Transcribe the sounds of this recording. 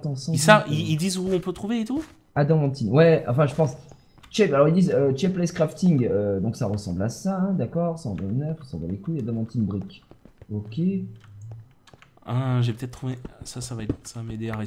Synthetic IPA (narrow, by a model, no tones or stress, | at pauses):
t̪ɑ̃sɑ̃saiild̪izuɔ̃pøt̪χuveet̪u | ad̪ɔmɑ̃t̪inwɛɑ̰̃fɛ̃ʒəpɑ̃s | t͡ʃɛpalɔʁild̪izøt͡ʃɛplɛskχaft̪iŋɡød̪ɔ̃ksaʁəsɑ̰̃blasaɛ̃d̪akɔʁsɑ̰̃d̪əvnɛʁʁəsɑ̃bla̰lekuad̪ɔmɑ̃t̪inbʁikʲokʲe | ãʒepət̪ɛt̪t̪ːχuvesasavaɛt̪samed̪eaʁe